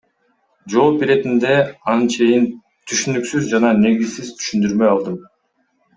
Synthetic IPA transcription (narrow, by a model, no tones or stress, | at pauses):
d͡ʒo̞ːbiɾe̞t̪ind̪e̞ɑnɯnt͡ʃʰe̞jin | t̪ʰyʃynyksyzd͡ʒɑnɑne̞ɡizsizt̪ʰy̥ʃynd̪yɾmø̞jɑlˠd̪ɯm